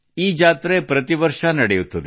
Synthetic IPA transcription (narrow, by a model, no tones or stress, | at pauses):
iːd͡ʒaːt̪ɾepɾɐt̪iʋɐɾʂɐnɐɽɛjut̪ːɐd̪e